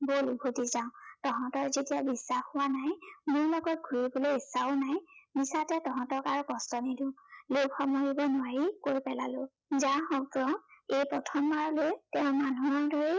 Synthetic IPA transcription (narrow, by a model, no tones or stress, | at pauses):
bolubʱotizãʊ̃tɔɦɔ̃tɔkzetijabisːaxʊwanajmʊɹlɔɡɔt̚ɡʱuɹibolojisaonajmisatɛtɔɦɔ̃tɔkaɹukɔstɔnidulokxɔmɔɡibɔnʊwaɹikoɹipɛlalʊ | zaxɔɡɹɔejpɹɔtʰɔmbaɹɔlojtɛʊ̃manuaɹdɔɹe